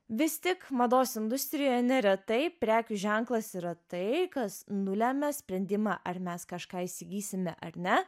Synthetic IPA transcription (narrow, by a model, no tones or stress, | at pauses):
ʋʲɪst̪ʲɪkmɐd̪oːsɪnd̪ʊsʲt̪ʲɾʲɪjoːjɛnʲɛɾʲɛt̪ɐɪpʲɾʲæːkʲʊʒʲɛŋklˠɐsiɾɐt̪ɐɪkɐsnʊlʲæmʲɛsʲpʲɾʲɛnʲd̪ʲɪmɑːʔɐɾmʲɛskɐʃkɑːisʲɪɡʲiːsʲɪmʲɛʔɐɾnʲɛ